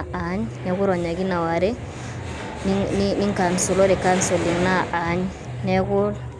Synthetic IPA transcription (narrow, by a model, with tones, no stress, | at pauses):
a˨˦ɲnɛ˦ku˦ɾɔ˨ɲa˨ɡi˦na˨wa˨ɾe˦ | ni˦ŋnini˦ŋka˨nsu˨lo˦ɾe˨ka˦nso˨li˨ŋna˦ʔa˨˦ɲ | nɛ˦ku˦